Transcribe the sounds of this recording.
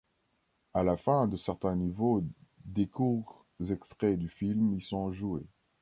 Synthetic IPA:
alafɛ̃d̪əsɛʁt̪ɛ̃nivod̪ekuʁ | zɛkst̪χɛd̪yfilmisɔ̃ʒue

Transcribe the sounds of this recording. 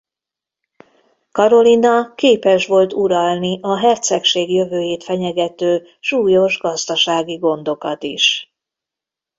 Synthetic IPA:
kɒɾo̞linɒkeːpɛʃʋo̞lt̪uɾɒlniʔɒɦɛrt̪sɛkʃeːɡjø̞vøːjeːt̪fɛɲɛɡɛt̪øː | ʃuːjo̞ʒɡɒzd̪ɒʃaːɡiɡo̞nd̪o̞kɒt̪iʃ

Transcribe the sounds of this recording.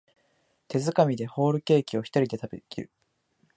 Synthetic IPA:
t̪e̞zɨkamʲid̪e̞ho̞ːɾɯ̟ke̞ːkʲio̞çi̥t̪oɾʲid̪e̞t̪abekʲiɾɯ̟

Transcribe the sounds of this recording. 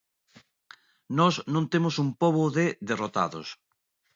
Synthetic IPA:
nɔsnõnt̪emosumpoβoðeðerot̪a̰ðo̰s

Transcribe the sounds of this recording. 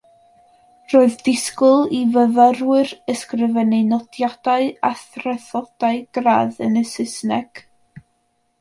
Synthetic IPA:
roːɨðdɪskʊlˠivəvərwɨrəskrɪvɛnenɔdjad̥aɨaθrɛθɔd̥aɨɡ̥ra̰ðənəsɪsnɛɡ̥

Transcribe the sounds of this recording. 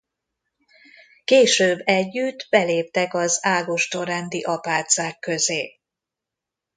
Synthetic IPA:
keːʃøːbːɛɟːyd̪bɛleːp̚t̪ɛkɒzaːlɡoʃt̪oːɾɛnd̪iʔɒpaːt̪saːkːø̞zeː

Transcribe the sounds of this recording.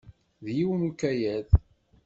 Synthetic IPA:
ðjiwənukːæjæð

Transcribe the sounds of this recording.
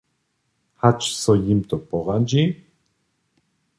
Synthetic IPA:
hat͡ʃʰsɔjimt̪ʼɔpʼɔʁand͡ʒi

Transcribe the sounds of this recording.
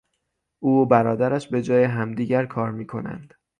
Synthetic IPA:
ʔuːbæɾɒːd̪æɾæʃbe̞d͡ʒɒːjeɦæmd̪iːɟæɾkʰɒːɾmiːkʰo̞̰næ̰nd̪̥

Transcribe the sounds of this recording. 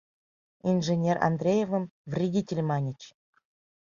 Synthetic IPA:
inʐɘnʲera̰nd̪rʲejevə̆mvrʲidʲitʲelʲmɑnʲit͡ɕ

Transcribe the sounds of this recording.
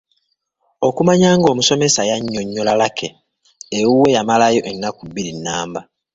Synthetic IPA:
o̞kumaɲaːŋɡo̞ːmuso̞me̞sajaɲːo̞ɲːolalakʰe | ewuwe̞jamalajo̞ʔenːakuβːiɾinːaːmba

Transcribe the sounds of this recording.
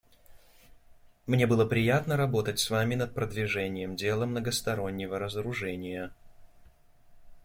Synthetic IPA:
mnʲe̞bɨlˠəpɾʲɪjat̪nəɾɐbo̞t̪ətʲsvamʲɪnət̪̚pɾəd̪vʲɪʐɛnʲɪjəmdʲe̞lˠəmnəɡəst̪ɐɾo̞nʲːɪvəɾəzəɾʊʐɛnʲɪjə

